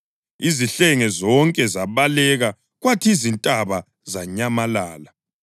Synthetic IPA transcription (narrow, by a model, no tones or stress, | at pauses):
iziɬɛŋɛzɔŋkʼɛzaβalɛɣa | ɣwatʰizintʼaβa | zaɲamalaːla